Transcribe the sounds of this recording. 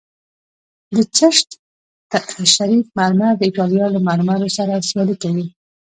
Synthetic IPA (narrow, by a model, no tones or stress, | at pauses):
d̪ət͡ʃəʃt̪ | t̪aʃaɾifmalmad̪əɪʈɑlijɑlamalmalosaɾasjɑlikawi